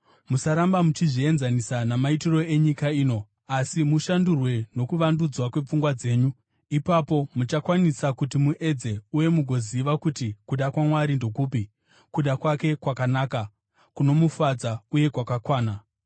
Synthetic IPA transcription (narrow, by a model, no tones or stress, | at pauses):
musaɾambamut͡ʃiʐie̞nzanisanamaitiro̞e̞ɲikaiːno̞ | asimuʃandurwe̞no̞kuʋandud͡zwakwe̞p͡fuŋɡwad͡ze̞ːɲu | ipapo̞mut͡ʃakwanisakutimuʔed͡ze̞uje̞muɡʱo̞ziʋakutikuɗakwamwaɾindo̞kuːpi | kuɗakwake̞kwakanaːka | kuno̞mufad͡zauje̞kwakakwaːna